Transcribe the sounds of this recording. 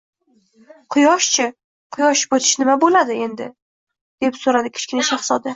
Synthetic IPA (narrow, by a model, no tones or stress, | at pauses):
qʰʊjɒʃt͡ʃʰɪ | qʰʊjɒʃbot̪ʰɪ̥ʃnɪmabolad̪ɪe̞nd̪ɪ̰ | d̪̥e̞psoɾad̪ɪkʲʰɪ̥t͡ʃkʲɪnɪʃaχsɒd̪ɪ